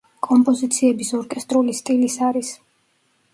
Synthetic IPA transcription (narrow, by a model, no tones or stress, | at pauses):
kʼɔmpʼɔzit̪sʰiɛbisɔɾkʼɛst̪ʼɾulist̪ʼilisaɾis